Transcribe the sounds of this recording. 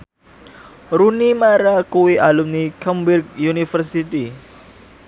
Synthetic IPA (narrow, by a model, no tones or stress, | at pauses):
ɾunimaɾakuwiʔalumnikəmbirɡ̚junifərsiti